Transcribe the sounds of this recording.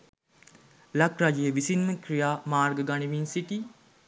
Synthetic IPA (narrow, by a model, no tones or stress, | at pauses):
lakɾad͡ʒijəʋisinməkɾijaːmaːɾɡəɡaniʋinsiʈi